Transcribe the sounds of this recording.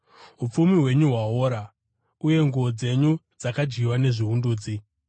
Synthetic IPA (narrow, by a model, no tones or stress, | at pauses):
ɦup͡fumiɦwe̞ɲuɦwaɦoɾa | uje̞ŋɡood͡ze̞ɲu | d͡zakad͡ʒɡiwane̞ʐiɦunduːd͡zi